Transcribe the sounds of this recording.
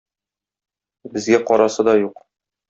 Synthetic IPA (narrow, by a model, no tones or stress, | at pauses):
bɘ̆zɡæqɒɾɑsɤd̪ɒjuq